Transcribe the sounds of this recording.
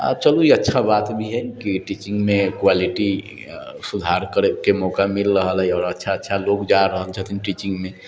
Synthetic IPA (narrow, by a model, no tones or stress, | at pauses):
a̰bt͡ʃəluiətːʃʰabat̪bʱiɦəkiʈit͡ʃĩŋɡmekwaliʈi | sud̪ʱaɾkəɾekemɔkamilɾəɦəlɦɛɔːɾətːʃʰaətːʃʰalokd͡ʒaɾəɦəlt͡ʃʰət̪ʰinʈit͡ʃĩŋɡme